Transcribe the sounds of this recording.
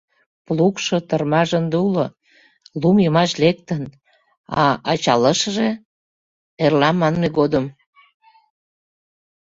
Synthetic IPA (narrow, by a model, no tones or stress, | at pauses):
plukʃot̪ərmɑʒənd̪ulo | lumjəmɑʃlek̚t̪ən | ɑɑt͡ɕɑləʃəʒe | erlɑmːɑnmeɣod̪əm